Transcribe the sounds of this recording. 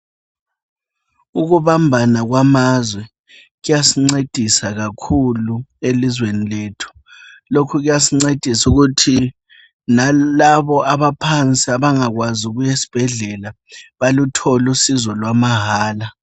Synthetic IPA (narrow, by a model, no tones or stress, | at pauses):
uɣuβambʱanaɣwamazwɛ | ɣujasiŋ͡ǀed̥ʱisaɣakʰuluelizwenileːtʰu̥ | lokʰuɣujasiŋ͡ǀed̥ʱisuɣutʰi | nalaβɔaβapʰant͡sʼiaβaŋaɣwazuɣujesi̥b̥ʱɛɮɛla | βalutʰɔlusizɔlwamaɦaːla